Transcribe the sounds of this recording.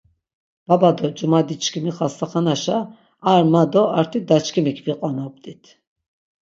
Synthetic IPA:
b̥abad̪ɔd͡ʒumad̪it͡ʃʰkʰimiχast̪ʰaχanaʃaː | ɾmad̪ɔaɾt̪ʰid̪at͡ʃkʰimikʰviqʼwanɔb̚d̪it̪ʰ

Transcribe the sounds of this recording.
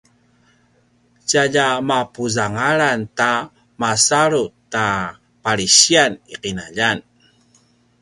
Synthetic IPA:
t͡ɕaʎamapuzaŋaɾanta | masaɾuta | paɾiɕianiqinaʎan

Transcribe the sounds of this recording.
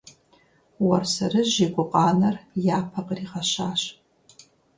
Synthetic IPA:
wɐrsɐɾɨʑekʷʼʊqʼɑːnɐrjaːpʰɐqəriːʁɐɕaːɕ

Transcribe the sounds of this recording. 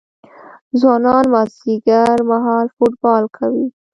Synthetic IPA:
zwɑnɑnmasiɡaɾmaɦɑlfoʈ̚bɑlkʰawi

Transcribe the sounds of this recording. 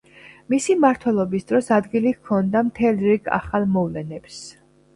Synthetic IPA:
misimaɾt̪ʰwɛlˠɔbisd̪ɾɔsad̪ɡilikʰːɔnd̪amt̪ʰɛlˠɾiɡʰa̰χalˠmɔvlɛnɛbs

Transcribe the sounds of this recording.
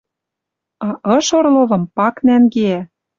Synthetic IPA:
ɑʔɤ̆ʃorlɤ̆βɤ̆mpɑknæŋɡeæ

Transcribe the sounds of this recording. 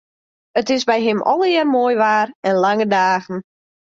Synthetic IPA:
ətɪsbɛjɦɪmʔɔ̰lˠɪrmoːjʋaːrɛnlaŋədaːɣən̩

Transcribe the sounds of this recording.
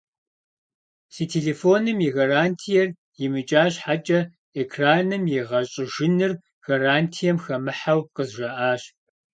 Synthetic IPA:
siːtʰeːɮeːfoːnɨmjiɣaraːntʰijɛr | jɪmɨt͡ʃʼaːɕħat͡ʃʼɐ | ekʰraːnɨmjɛʁɐɕʼɪʒɪnɨr | ɣ̥ɐraːntʰijɛmxɐmɨħawqəzʒɐʔaːɕ

